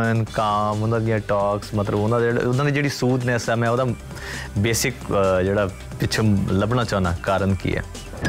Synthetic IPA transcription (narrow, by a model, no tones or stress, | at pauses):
nkaːmʊnd̪ãːd̪ɪjãːʈaːksmət̪ləbond̪ãːḛʊnãːd̪iːd͡ʒeːɽiːsuːd̪nɛ̃ːsɛːmɛ̃ːod̪ãː | beːsɪkd͡ʒeːɽaː | pɪt͡ʃʰələbnaːt͡ʃãːnaːkaːɾənkḭːɛ̰ː